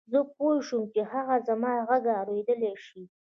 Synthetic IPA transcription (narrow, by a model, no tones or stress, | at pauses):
zəpojʃumkeɦaɣazamɑɣaɡaːɾed̪əleʃi